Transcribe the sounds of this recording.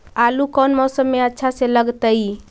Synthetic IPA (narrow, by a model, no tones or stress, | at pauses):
alukɔnmɔsəmːeətːʃʰaseləɡt̪əj